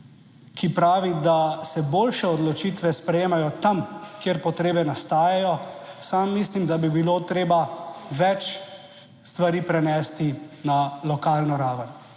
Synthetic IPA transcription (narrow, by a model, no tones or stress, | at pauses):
kʰipɾaːʋid̪asɛboːlʃɛɔd̪lɔt͡ʃiːt̪ʋɛspɾɛjeːmajɔt̪amkjeːɾpɔt̪ɾeːbɛnast̪aːjajɔsamːislimd̪abibiloːt̪ɾeːbaʋɛt͡ʃ | st̪ʋaɾiːpɾɛnɛːst̪inalɔkaːlnɔɾaːʋən